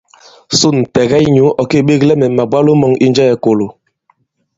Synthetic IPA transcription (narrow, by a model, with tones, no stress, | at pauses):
su˦˨n̩˨tɛ˨ɡɛ˦i˦ɲu˨˦ʔɔ˨ke˦˨ɓe˦ɣlɛ˦mɛ˨ma˨bwa˦lo˦mɔ˨ŋi˦nd͡ʒɛ˦jɛ˨ko˨lo˨